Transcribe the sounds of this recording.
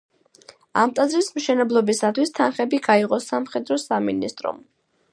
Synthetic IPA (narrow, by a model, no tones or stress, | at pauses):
a̰mt̪ʼazɾismʃɛnɛblˠɔbisat̪ʰwist̪ʰanχɛbiɡaiʁɔsamχɛd̪ɾɔsaminist̪ʼɾɔ̰m